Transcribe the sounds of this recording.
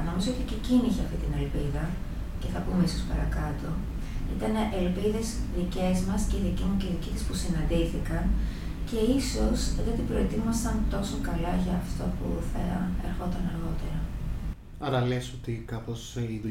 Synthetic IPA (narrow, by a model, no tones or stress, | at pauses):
nomizoot̪iceciniçeɐft̪it̪ine̞lpiðɐ | ce̞θɐpumeiso̞spɐ̰ɾɐkɐt̪o̞ | it̪ɐneʔelpiðe̞zðice̞zmɐsceiðicimuceiðicisispusinɐnd̪iθikɐn | ce̞iso̞sðeɐt̪ipɾo̞et̪imɐsɐnt̪o̞sokɐlɐʝɐːft̪o̞pṵθɐ̰e̞̰ɾxo̞t̪ɐnɐɾɣo̞t̪e̞ɾɐ | ɐɾɐlesot̪ikɐposiðu